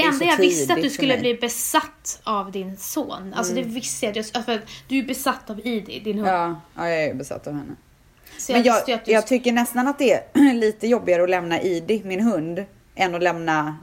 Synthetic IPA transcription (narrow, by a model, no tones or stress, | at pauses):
ɛɛnd̪ajɑɡvɪsəatd̪ɵskɵlːəbliːbɛsat̪ːavd̪ɪnsoːna̰lsɔd̪ɛvɪst̪əjat̪jafɾat̪d̪̥ɵæbɛsat̪ːaviːd̪ɪd̪ɪnhɑːɑːjɑɛɾjbɛsa̰t̪ːavhɛnːə | smɔjɛjɑːt̪əjat̪̚d̪jɑːɡt̪ʰʏkːəɳɛst̪anat̪̚d̪ɛæɾliːt̪əjɔbːɪɡaɾəɔlɛmnaʔiːd̪ɪmɪnɦɵnd̪ | ʔɛnːɔlɛmna